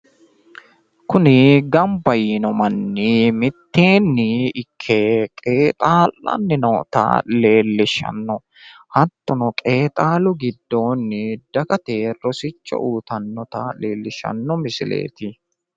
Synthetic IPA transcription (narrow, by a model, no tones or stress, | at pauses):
kʊnɪɡɐmbɐjiːnɔmɐnːɪmɪt̪ːeːnːɪɪkʰːekʼe̞ːt̪ʼaːlːʔɐ̰nːɪnɔːt̪ɐ̰le̞ːlːɪʃɐ̰nːɔ | hɐt̪ːɔnɔkʼe̞ːt̪ʼaːlʊɡɪd̪ːo̞ːnːɪd̪̥ɐkʼɐt̪e̞ːrɔsɪt͡ʃːɔ̰ʔuːt̪ɐnːɔt̪ɐle̞ːlːɪʃɐ̰nːɔmɪsɪlḛːt̪ɪ